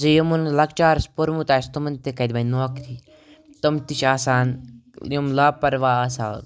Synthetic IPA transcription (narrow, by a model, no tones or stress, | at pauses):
zɐjɐmunlɐkt͡ʃaːɾspoɾmut̪aːst̪ɐmɐnt̪ekɐd̪ʲbɐnoːkt̪ʰi | t̪ɐmt̪it͡ʃʰaːsaːnjɐmlaːpɐɾʋaːɐsa̰ː